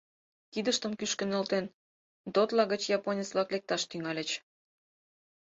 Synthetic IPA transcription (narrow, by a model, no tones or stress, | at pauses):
kid̪əʃt̪əmkyʃkə̆nə̆lt̪en | d̪ot̪lɑɣə̆t͡ɕjɑponʲət͡sβlɑklek̚t̪ɑʃt̪yŋɑlʲĕt͡ɕ